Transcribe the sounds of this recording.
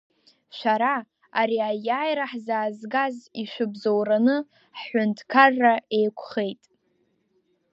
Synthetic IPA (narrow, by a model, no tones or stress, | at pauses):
ʃʷaɾa | aɾiajaːjɾaħzaːzɡaziʃʷɨbzowranɨ | ħħʷʊntʰkʰarːae̞jkʷʰχe̞jtʼ